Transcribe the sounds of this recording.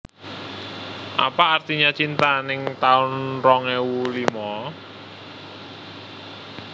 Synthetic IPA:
ʔa̰paːrt̪iɲat͡ʃint̪anɪŋt̪aʊnrɔŋɛwulimɔ

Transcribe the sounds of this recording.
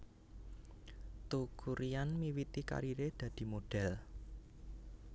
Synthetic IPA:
t̪ukʰuɾijanmiwit̪ika̰ɾiɾed̪̥ä̤d̪̥i̤moɖ̥ɛ̤l

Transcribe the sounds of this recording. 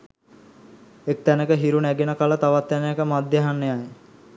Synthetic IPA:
ek̚t̪ænəkəɦiɾunæɡenəkalət̪aʋat̪ːænəjakəmad̪jeɦanːejaj

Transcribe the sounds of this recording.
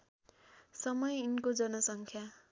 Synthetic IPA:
sʌmʌjinkod͡zʌnʌsʌŋkʰja

